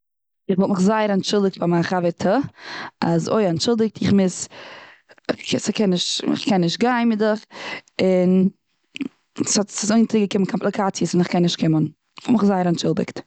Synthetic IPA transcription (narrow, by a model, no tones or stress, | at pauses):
ɪχvɔlˠtməχzaɪəɾanʃɪlˠdɪk̚tfamaχavətʰə | a̰zo̰ɪanʃɪlˠdɪk̚tʰɪχmɪs | ksɪkɛnːɪʃtɪ̰χkɛnːɪʃtɡaɪnmɪdəχɪn | shɔtsɔsoɪntɪɡəkɪmkʰɔmplˠɪkʰat͡sijəsɪnɪχkɛnːɪʃtkɪmən | ɪχvɔlˠtməχzaɪəɾant͡ʃɪlˠdɪ̰kt